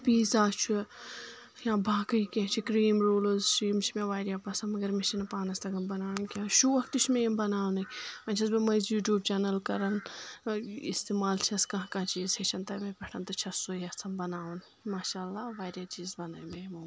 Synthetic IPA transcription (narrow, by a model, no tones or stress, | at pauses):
piːzaːt͡ʃʰu | jãːbʱãːkɐikʲẽt͡ʃʰikɾiːmɾoːlozʈɾiːmt͡ʃʰimẽʋaːɾʲjaːpɐsɐnmɐɡɐɾmẽt͡ʃʰɐnɐpaːnɐst̪ɐɡɐmbɐnaːɽɐnkʲãːʃuʋɐkt̪it͡ʃʰmẽːmbɐnaːwnɨɐ̃nt͡ʃʰɐsbɐmɐjzjuːʈjuːb̚t͡ʃaːnɐlkɐɾɐn | ist̪eːmaːlt͡ʃʰiɐskɐɦãkãːt͡ʃiːzhet͡ʃʰɐnt̪ɐmẽpʲɐʈʰɐnt̪ɐt͡ʃʰɐsojɐt͡sʰɐnbɐnaːʋn | maːʃaːlːaːʋaːɾjaːt͡ʃiːzbɐna̰ːjmeːmu